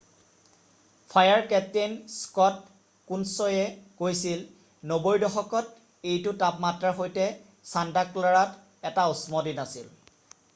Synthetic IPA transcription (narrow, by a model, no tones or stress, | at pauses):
pʰajaɹkɛtenskɔt̚ | kunsɔjɛkojsil | nobojdɔxɔkɔt̚ | ejtʊtapmatɹaxojtɛ | santaklaɹat | ɛtausmɔdinasil